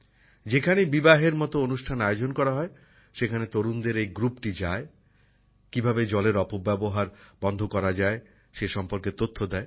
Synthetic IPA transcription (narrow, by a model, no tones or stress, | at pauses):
d͡ʑekʰanebibaɦeɾmɔt̪oonuʃʈʰanajod͡ʑonkɔɾaɦɔe | ʃekʰanet̪oɾund̪eɾejɡɾupʈid͡ʑae | kibʱabed͡ʑɔleɾɔpobːɛboɦaɾbɔnd̪ʱokɔɾad͡ʑae | ʃeʃɔmpoɾket̪ot̪ʰːod̪ɛe